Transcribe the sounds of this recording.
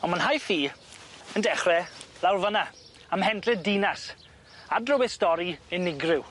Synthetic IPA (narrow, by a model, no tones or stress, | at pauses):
ɔnmanɦajfiːəndɛχrɛlˠawrvəna | amhɛndrɛdinas | adrʊwɛstɔɾiɪnɪɡrɪw